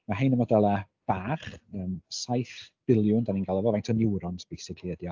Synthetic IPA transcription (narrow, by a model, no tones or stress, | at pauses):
maɦejnəmɔdalˠa | b̥aːχəːmsajθb̥ɪlˠjʊndaninɡalˠɔvɔvajntʰɔnɪwɾɔntʰb̥ejsɪkʰlˠiədjɔ